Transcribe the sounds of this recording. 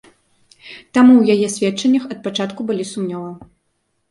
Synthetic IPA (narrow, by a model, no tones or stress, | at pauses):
t̪amuwjajɛsʲvʲɛtt͡ʂɐnʲːɐxɐt̪̚pat͡ʂat̪kubɨlʲisumnʲɔvɐ